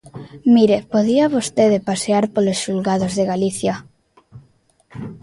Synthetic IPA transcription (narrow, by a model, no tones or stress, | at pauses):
miɾepoðiaβ̞ost̪eðepaseaɾpolosʃulɣað̞ozðeɣaliθja